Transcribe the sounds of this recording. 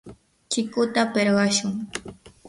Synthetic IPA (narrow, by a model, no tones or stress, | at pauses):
t͡ʃɪkʊt̪apeɾɢɑʃʊŋ